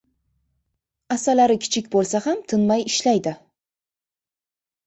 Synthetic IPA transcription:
asalaɾɪkʲʰɪ̥t͡ʃʰɪkʲbolˠsahamt̪ʰɪnmajɪʃlajd̪ɪ

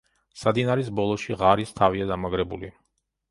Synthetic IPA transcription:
sad̪inaɾis̬bɔlˠɔʃiʁaɾist̪ʰaviad̪amaɡɾɛbṵli

